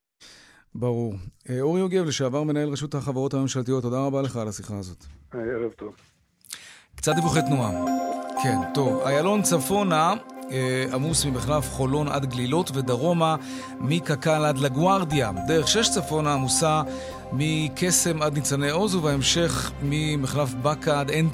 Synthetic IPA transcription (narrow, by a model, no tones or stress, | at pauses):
baʁuʁeoʁioɡe̞vleʃeavaʁme̞nae̞lʁeʃut̪haχavaʁo̞thamemʃalt̪ijo̞t̪ːodaʁabale̞χalasiχaːzo̞t̪aeʁevt̪ov | kt͡sat̪divuχet̪nuakʰe̞nt̪o̞vajalo̞nt͡safo̞na | amusmimeχlafχo̞lo̞nʔa̰d̪ɡlilo̞tve̞d̪aʁo̞ma | mikakalad̪laɡwaʁd̪iad̪eʁeχʃe̞ʃt͡safo̞naːmusa | mikʰe̞se̞mad̪nit͡sanejo̞zuveaemʃe̞χmimeχlafbakaad̪en